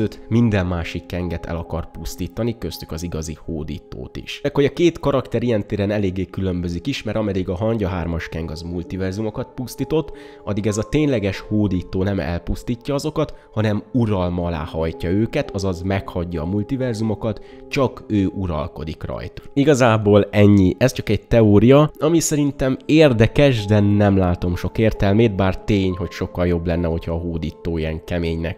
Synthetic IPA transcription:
øːt̪mind̪ɛmːaːʃikːɛŋɡɛt̪ɛ̰lɒkɒrpust̪iːt̪ɒnikø̞st̪ykɒziɡɒzihoːd̪ḭːt̪o̰ːt̪ḭʃɛkho̞jɒkeːt̪kɒɾɒkt̪ɛɾijɛnt̪eːɾɛnɛleːɡːeːkylømbø̞zikiʃmɛɾɒmɛd̪iɡɒɦɒɲɟɒɦaːrmɒʃkɛŋɡɒzmult̪ivɛrzumo̞kɒt̪̚pust̪iːt̪o̞t̪ː | ɒd̪ːiɡɛzɒt̪eːɲlɛɡɛʃhoːd̪iːt̪oːnɛmɛ̰lpust̪iːcːɒɒzo̞kɒt̪hɒnɛmuɾɒlmɒla̰ːhɒjcɒøːkɛt̪ɒzɒzmɛkhɒɟːɒːmult̪ivɛrzumo̞kɒt̪t͡ʃɒkøːʔuɾɒ̰lko̞̰d̪ikrɒ̰jt̪iɡɒzaːboːlɛɲːiʔɛst͡ʃɒkɛɟ̚t̪ɛoːɾijɒɒmisɛɾint̪ɛmeːrd̪ɛkɛʒd̪ɛnɛmlaːt̪o̞mʃo̞keːrt̪ɛlmeːd̪̚baːrt̪eːɲho̞cʃo̞kːɒljo̞blɛnːɛho̞cʰhɒːɦoːd̪iːt̪oːijɛŋkɛmeːɲnɛ̰k

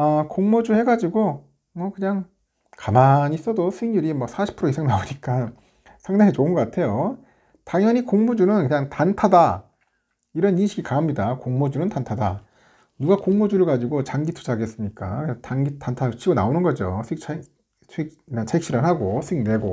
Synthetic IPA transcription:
akoŋmod͡ʑuhe̞ɡad͡ʑiɡo | mʌkɯɲaŋ | kamaɲis͈ʌdosʰɯiŋjuɾimwʌsʰaɕʰi̥pʰɯɾoisʰeŋnaoɲik͈a | sʰaŋdaŋet͡ɕoɯnɡʌk͈atʰe̞jo | taŋjʌɲikoŋmud͡ʑunɯnkɯɲaŋtantʰada | iɾʌninɕʰiɡikaɦamɲidakoŋmod͡ʑunɯntantʰada | nuɡakoŋmod͡ʑuɾɯɭkad͡ʑiɡot͡ɕaŋɡitʰu̥d͡ʑʰaɡes͈ɯmɲik͈a̰ktaŋɡitʰantʰat͡ɕʰiɡona̰onɯnɡʌd͡ʑosʰikt͡ɕʰ | sʰk̚ | nat͡ɕʰaikɕ͈iɾɯnɦaɡosʰɯiŋne̞ɡo

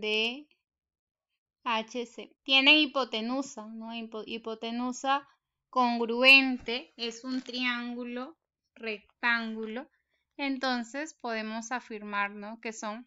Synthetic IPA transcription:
d̪e | at͡ʃeset̪je̞ne̞ŋipo̞t̪enusanoipoʔipo̞t̪enusa | ko̞ŋɡɾue̞nt̪e̞esunt̪ɾiaŋɡulo̞ | re̞k̚t̪aŋɡulo̞ | e̞nt̪o̞nse̞spo̞ð̞e̞mo̞safiɾmaɾno̞ke̞so̞ŋ

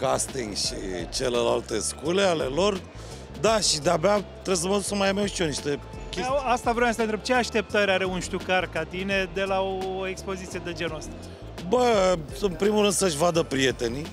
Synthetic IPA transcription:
kast̪iŋɡʃḭt͡ʃe̞lela̰lt̪e̞skuleale̞lo̞r | d̪aʃid̪eabeat̪ɾebsəməd̪uksəmajamet͡ʃioniʃt̪e̞ | kʲeast̪avɾemasəent̪ɾeb̚t͡ʃeaʃt̪e̞p̚t̪əɾʲaɾe̞unʃt̪ukarkat̪ine̞d̪e̞laoekspo̞zit̪sijed̪e̞d͡ʒe̞nuəst̪a | bə | ɨmpɾimurɾɨnd̪səʃʲvad̪əpɾije̞t̪e̞ni

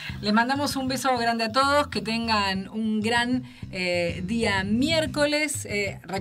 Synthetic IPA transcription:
lesmand̪amo̞sumbe̞soɣɾand̪eat̪̬o̞ðosket̪eŋɡanuŋɡɾan | ed̪iamjeɾkolesre

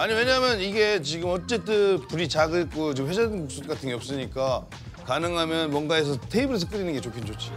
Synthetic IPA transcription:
aɲiwe̞ɲaɦmjʌniɡe̞t͡ɕiɡɯmʌt͡ɕ͈e̞t͈ɯpuɾit͡ɕaɡɯk͈ot͡ɕimɸed͡ʑʌsʰut̚k͈atʰɯnɡeʌps͈ɯɲik͈a | kanɯŋɦamjʌnmwʌnɡaes̬ʰʌtʰe̞ibɯɾes̬ʰʌk͈ɯɾinɯnɡe̞t͡ɕokʰind͡ʑot͡ɕʰi

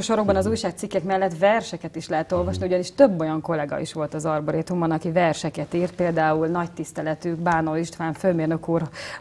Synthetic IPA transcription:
oʃoɾoɡ̚bɒnɒzuːjʃaːk̚t̪sikːɛkmɛlːɛt̪ʋɛrʃɛkɛt̪iʃlɛɦɛt̪o̞lvɒʃniuɟɒniʃt̪ø̞bːo̞jɒŋko̞lɛɡɒ̰ḭʃʋo̞lt̪ɒzɒrboɾet̪umɒnɒkivɛrʃɛkɛt̪iːrt̪̚peːld̪aːulnɒct̪ist̪ɛlɛt̪ykbaːno̞liʃt̪ʋaːɱføːmeːrnø̞kuːr

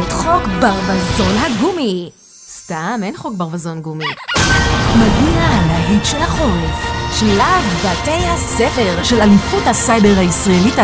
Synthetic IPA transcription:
etχo̞kbaʁvazo̞nɦaɡumi | stamejnχo̞k̚baʁvazo̞nɡumi | maɡialeaɦitʃelaχolfʃelavbate̞jhasefe̞ʁʃelalifuthasajbeʁhaisʁaelit

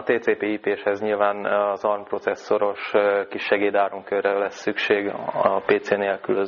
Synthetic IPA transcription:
t̪eːt̪eːpeːiːpeːʃhɛzɲilvaːnɒzɒrmpro̞t̪sɛsːo̞ɾo̞ʃkiʃːɛɡeːd̪aːɾoŋkørːɛlɛsːykʃeːɡpeːt̪seːneːlkylø

